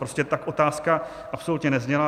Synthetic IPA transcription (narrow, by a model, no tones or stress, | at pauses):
ɾoscɛt̪akʔo̞t̪aːska | ʔapsout̪ɲɛnɛzɲɛla